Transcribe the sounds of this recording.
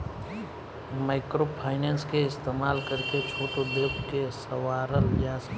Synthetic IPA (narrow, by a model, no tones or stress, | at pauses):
maɪkɾopʰaːɪnenskeɪst̪eːmaːlkəɾket͡ʃʰoːʈod̪eːpʰkesəwaːɾəljas